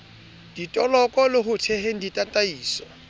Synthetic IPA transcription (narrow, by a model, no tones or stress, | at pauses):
d̥itʼɔlɔkʼɔlɪɦʊtʰɛhen̩ditʼatʼaiːsɔ̥